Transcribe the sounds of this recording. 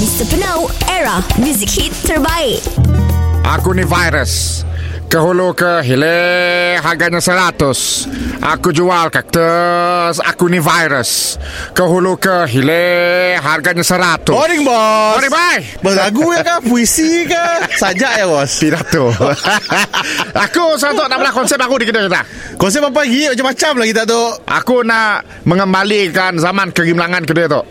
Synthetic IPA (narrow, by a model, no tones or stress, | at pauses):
bist̪əpənowɛɹamjuzikhitt̪ːəɹbaiʔ | ʔa̰kunivajɾəs | kəɦulukəɦileɦarɡaɲasəɾat̪ʊsʔa̰kud͡ʒualkak̚t̪əsa̰kunivajɾəskəɦulukəɦileɦarɡaɲasəɾat̪ːoɾiŋbɔnibaj | bəlaɡujakapuisikasad͡ʒaʔjabɔsp̪idat̪o | akus̬əɾat̪oʔnaʔmalahkɔnsɛp̚akudikədəkit̪a | kɔns̬ɛp̚apaɡiad͡ʒapmat͡ʃamlaɡit̪̬aʔt̪̬oʔʔa̰kunaʔ | məŋəmbalikanzamankəɡimlaŋank̬ədiat̪oʔ